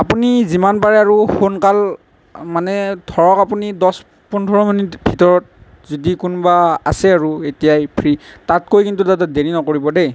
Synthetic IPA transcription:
apunizimanpaɹɛaɹuxonkal | manɛdʱɔɹɔkapunidɔs | pɔntʰɔɹɔminitbʱitɔɹɔt̚ | zodikunbaa̰sɛaɹuetijajpʰɹitatkojkintutatadeɹinɔkoɹibɔde

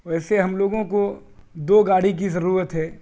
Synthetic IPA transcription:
ʋɛːseɦɐmloːɡõkod̪oːɡaːɽik̬izɐɾuːɾət̪ɦɛː

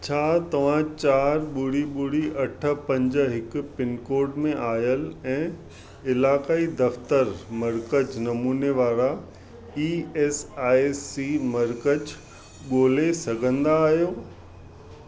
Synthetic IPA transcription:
t͡ɕʰaːt̪ɐʋ̤ãt͡ɕaːɾɓʊɽiɓʊɽiʔɐʈʰə̆pɐ̃ɲd͡ʑ̆ɦɪkpɪnkoːɾɖmẽʔaːjəlɛ̃ː | ɪlaːkaːid̪ɐft̪əɾmɐɾkəd͡ʑnɐmuːneʋaːɾa | iːeːsaːsːimɐɾkəd͡ʑ | ɠoːlesɐɡʱə̃nd̪aːɦijoː

